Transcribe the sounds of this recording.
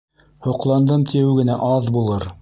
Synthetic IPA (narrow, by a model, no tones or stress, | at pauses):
hŏqlˠɑnd̪ɤmt̪ʰijɘwɡɘ̆næʔɑðbulˠɤɾ